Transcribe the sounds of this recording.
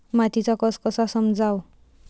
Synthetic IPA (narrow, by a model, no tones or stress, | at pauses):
mat̪it͡sʌkʌskʌsasʌmd͡zaw